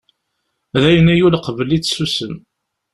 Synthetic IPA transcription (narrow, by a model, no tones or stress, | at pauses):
ðæjənæjulqəvəlit͡sːsusəm